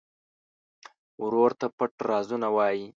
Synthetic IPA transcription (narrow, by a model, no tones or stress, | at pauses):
wɾoɾt̪apəʈɾɑzunawɑji